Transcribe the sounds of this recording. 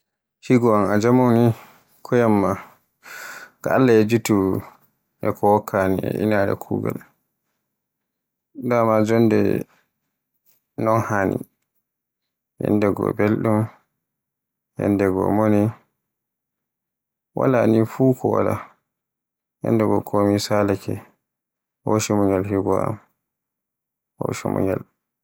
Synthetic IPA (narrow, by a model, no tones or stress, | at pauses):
hiɡɔanad͡ʒamoni | kʰɔjamːa | ɡaalːaɛd͡ʒutu | ʔɛkʰɔwɔkʰːaniɛ̰ʔḭnaɾɛ̰kʰuːɡa̰l | damad͡ʒɔndɛ̰ | nɔnhaːnḭ | jɛ̰ndɛɡɔ̰belɗum | jɛndɛɡɔ̰moni | wa̰lanifuːkʰɔwa̰la̰ | jɛ̰ndɛɡɔkʰomisalakɛ | hoʃimuɲalɦiɡɔa̰m | ho̰ʃimṵɲal